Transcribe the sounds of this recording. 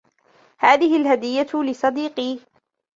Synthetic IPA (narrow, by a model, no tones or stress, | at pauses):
haːðɪhɪlɦad̪ɪjːalɪsˤɑd̪iːqiː